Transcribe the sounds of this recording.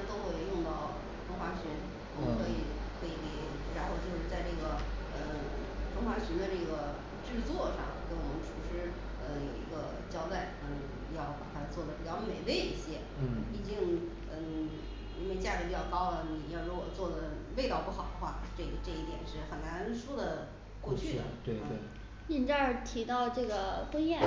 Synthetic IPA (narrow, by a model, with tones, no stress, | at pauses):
t̪o˥ʊxwe˥˧ɪjʊ˥˧ŋt̪ɑ˥˩ʊ | t̪ʰʊ˥ŋxwa˧˥ɕy˧˥n | wɔ˨˩mə˥kʰɤ˧˥i˨˩t̪ʰwe˥i˧˩ki˧˥˩ | ɻa˧˥nxo˥˧ʊt͡ɕjo˥˧ʊʂɻ̩˥˧t͡sa˥˧ɪʈ͡ʂɤ˥˩ɡə˩ | ə˧ | fʰʊ˥ŋxwa˧˥ɕy˧˥nd̪ə˧ʈ͡ʂɤ˥˩ɡə˩ | ʈ͡ʂɻ̩˥˧t͡swɔ˥˧ʂɑ̰˥˧˩ŋk̪e˥˩ɪwɔ˨˩mə˦nʈ͡ʂʰu˧˥ʂɻ̩˥ | ə˧ḭ˧˥ɡə˧ | t͡ɕjɑ˥ʊt̪a˥˩ɪə˧˥˧ | jɑ˥˩ʊpa̰˨˩t̪ʰa˥t͡swɔ˥˩d̪ə˩pi˨˩t͡ɕjɑ˥˩ʊme˨˩ɪwe˥˧ɪi˥˩ɕjɛ˥˩i˨˩t͡ɕi˥ŋ | ə˥˧˩ | i˥nwe˥˧ɪt͡ɕja˥˩ə˧˩pi˨˩t͡ɕjɑ˥˧ʊkɑ˥ʊlə˩ni˨˩jɑ˥˧˩ʊɻɔ˧˥wɔ̰˨˩t͡swɔ˥˩d̪ə˩we˥˧ɪt̪ɑ˥˧ʊpu˥˩xɑ˨˩ʊd̪ə˦xwa˥˩˥ʈ͡ʂɤ˥˩ɡə˩ʈ͡ʂɤ˥˧i˥˩t̪jɛ˨˩nʂɻ̩˥˩xə˨˩nna˧˥nʂɔ˥d̪ə˨ | kwɔ˥˧t͡ɕʰy˥˩d̪ə̰˩t̪we˥˩ɪt̪we˥˩ | i˥˩nt͡ɕja˥˧˩t̪ʰi˧˥t̪ɑ˥˧ʊʈ͡ʂɤ˥˩ɡə˩kə˥njɛ˥˩